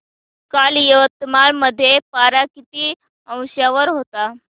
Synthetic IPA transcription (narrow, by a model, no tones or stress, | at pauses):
kaljəʋət̪ːəmanməd̪ʱːjepaɾakit̪iː | ə̃w̃ɕjaʋəɾɦot̪a